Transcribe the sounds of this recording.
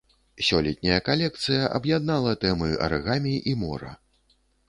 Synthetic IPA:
sʲɔlʲɛt̪̚ʲnʲɐjɐkalʲɛk̚t̪sɨjɐʔɐbjad̪̚nalˠɐt̪ɛmɨɐ̰rɣamʲiʔimɔ̰ɾɐ̰

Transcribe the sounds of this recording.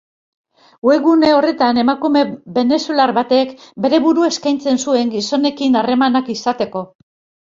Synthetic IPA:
weɣune̞o̞re̞t̪ane̞makume̞be̞ne̞sulaɾβat̪e̞kbe̞ɾe̞βuɾue̞skajnt͡se̞nsue̞ŋɡiso̞ne̞kinare̞manakisat̪e̞ko̞

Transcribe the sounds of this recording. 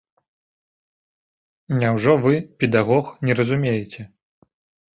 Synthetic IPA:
nʲawʐɔvɨpʲɛd̪aɣɔxnʲɛɾɐzumʲejɛt͡sʲɛ

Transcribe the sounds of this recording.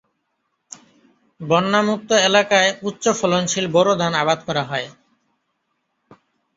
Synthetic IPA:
bɔnːamuk̚t̪ːoelakaeutːɕofɔlonʃilbɔɾod̪ʱanabad̪kɔɾaɦɔe

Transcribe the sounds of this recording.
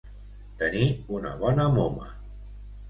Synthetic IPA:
t̪əniunə̰βɔnəmomə̰

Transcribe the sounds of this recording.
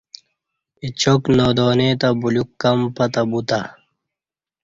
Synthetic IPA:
it͡ɕoknoːd̪oːnet̪ɐbulukːɐmpɐt̪ɐbut̪a

